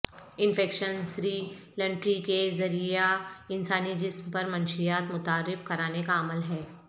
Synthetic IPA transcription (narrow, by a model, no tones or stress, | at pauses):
ɪ̃nfɛːkʃənsɾiːlɐ̃ɳʈɾikezɐɾiaɪnsaːnid͡ʒɪsmpɐɾmɐ̃nʃijaːt̪mʊt̪aːɾɪfkɐɾaːnekaɐməlɦɛː